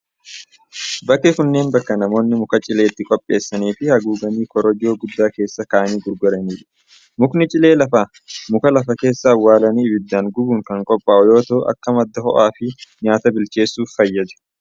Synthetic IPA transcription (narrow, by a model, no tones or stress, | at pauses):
bɐkːɛkʊnːe̞ːnbɐkːɐnɐmo̞ːnːɪmʊkɐt͡ʃʼɪle̞ːt̪ːɪkʼɔpʼːe̞ːsːɐniːfɪhɐɡuːɡɐniːkɔɾɔd͡ʒo̞ːɡʊd̪ːaːke̞ːsːɐkaːʔɐniːɡʊɾɡɔɾɐniːᶑɪ̥ | mʊknɪt͡ʃʼɪle̞ːlɐfaː | mʊkɐlɐfɐke̞ːsːɐːwːaːlɐniːɪbɪd̪ːaːŋɡʊbuːŋkɐŋkʼɔpʼːaːʔɔjo̞ːt̪ɐːʔɐ̰kːɐmɐd̪ːɐhɔ̰ʔaːfɪɲaːt̪ɐbɪlt͡ʃe̞ːsːuːfːɐjːɐd͡ʒɐ̥